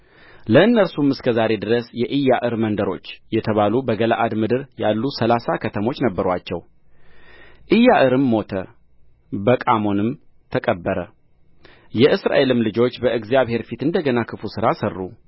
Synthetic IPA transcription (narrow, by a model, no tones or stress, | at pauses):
ləɨnːəɾsumɨskʰəzaɾe̞d̪ɨɾəsjɛʔɨjːaʔɨɾmənd̪əɾo̞t͡ʃːjɛt̪ʰəβalubəɡəla̰ʔad̪mɨd̪ɨɾjalːusəlasakʰət̪ʰəmo̞t͡ʃːnəbːəɾwat͡ʃːɛw | ʔɨjːaʔɨɾɨmːo̞t̪ʰə̰ | bəkʼamo̞nɨm | t̪ʰəkʼəbːəɾə | jɛʔɨsɾa̰ʔe̞lɨmlɨd͡ʒo̞t͡ʃːbəɨɡzijaβhe̞ɾfit̪ɨnd̪əɡənakʰɨfusɨɾasərːu